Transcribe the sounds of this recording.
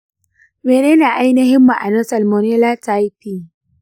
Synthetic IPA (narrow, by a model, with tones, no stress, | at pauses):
meː˨neː˦na˨ʔa˦jnɐ˦ɦɪ˦mːa˨ʔa˨nɔ˦sɐ˨lmo˨ne˦laː˦ta˦jpiː˦˨